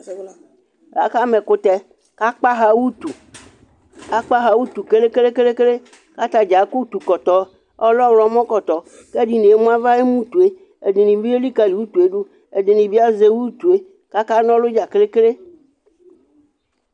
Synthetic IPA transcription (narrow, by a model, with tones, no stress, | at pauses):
ɦa̰˨ka˦me˨kʊ˦t̪ɛ˦ | ka˦k͡pa˦ɦa˦wu˦t̪u˨ | ka˦k͡pa˦ɦa˨wu˦t̪u˨ke˦le˦ke˦le˦ke˦le˦ke˦le˦ | ka˦t̪a˨d͡ʒa˨˦ku˦t̪u˨kɔ˨t̪ɔ˨ | ɔ˦lɔ˦wlɔ˨˦mɔ̃˦kɔ˨t̪ɔ˨ | ke˦ɖi˨nẽ˨e˦mũ˦a˦va˦e˦mũ˦t̪u˨e˦ | e˨d̪i˨nĩ˨˦vi˦e˦li˦ka˨li˨wu˦t̪u˨e˦ɖu˦ | e˨d̪e˨nĩ˨vi˦a˦ze˦wu˦t̪u˨e˦ | ka˦ka˦nɔ̃˦lʊ˦d͡ʒa˨ke˦le˦ke˦le˦